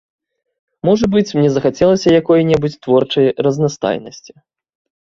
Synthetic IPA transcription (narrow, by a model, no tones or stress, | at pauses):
mɔʐɐbɨt͡sʲmnʲɛzɐxat͡sʲɛlˠɐsʲɐjakɔjnʲɛbut͡sʲt̪vɔrt͡ʂɐjrɐznast̪a̰jnɐsʲt͡sʲi̥